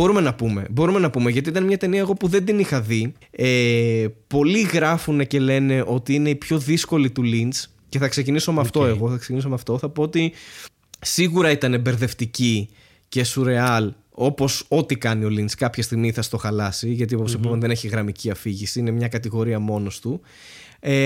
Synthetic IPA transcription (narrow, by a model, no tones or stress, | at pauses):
o̞ɾume̞nɐpume̞bo̞ɾume̞nɐpume̞ʝɐt̪iit̪ɐnmɲɐt̪e̞niɐeɣo̞puðe̞nd̪inixɐðiepo̞liɣɾɐfune̞ce̞le̞ne̞ʔo̞t̪iine̞ipço̞ðisko̞lit̪ulint͡s | ce̞θɐkse̞ciniso̞meɐft̪o̞e̞ɣo̞θɐkseciniso̞meɐft̪o̞θɐpo̞ot̪i | siɣuɾɐit̪ɐnebe̞ɾðe̞ft̪ici | ce̞suɾe̞ɐl | o̞po̞so̞t̪ikɐnio̞lint͡skɐpçɐst̪iɣmiθɐst̪o̞xɐlɐsiʝɐt̪ioposipumɐnðe̞ne̞çiɣɾɐmiciɐfiʝisiine̞mɲɐkɐt̪iɣo̞ɾiɐmo̞nost̪u | e